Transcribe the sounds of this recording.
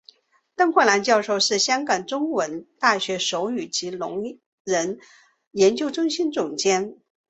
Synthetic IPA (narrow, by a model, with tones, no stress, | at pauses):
t̪ɤ˥ŋkʰwə˥˩la˧˥nt͡ɕjɑ˥˧ʊʂo˥˧ʊʂɻ̩˥˩ɕjɑ˥ŋkɑ˨˩ŋʈ͡ʂʊ˥ŋwə˧˥nt̪a˥˩ɕɥɛ˧˥ʂo˧˥ʊy˨˩t͡ɕi˧˥lʊ̰˧˥ŋ | ɻə˧˥n | jɛ˧˥nt͡ɕjo˥ʊʈ͡ʂʊ˥ŋɕi˥nt͡sʊ˨˩ŋt͡ɕjɛ˥n